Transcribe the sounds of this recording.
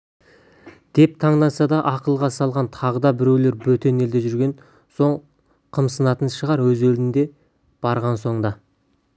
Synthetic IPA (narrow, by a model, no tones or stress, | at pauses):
d̪̥e̞p̚t̪ʰɑɴd̪ɑsɑd̪ɑʔɑqəlˠʁɑsɑlˠʁɑnt̪ʰɑʁəd̪ɑbɪɾe̞wle̞ɾbɵt̪e̞ne̞ld̪e̞ʒʏɾɡʲe̞n | so̞ɴ | qʰəmsənɑt̪ənʃəʁɑɾwɵzeld̪ɪnd̪e̞ | b̥ɑɾʁɑnso̞ɴd̪ɑ